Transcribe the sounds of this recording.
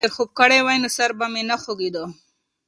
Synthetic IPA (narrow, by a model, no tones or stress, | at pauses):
eɾxob̚kəɽewajnosaɾbamenaxoɡid̪ə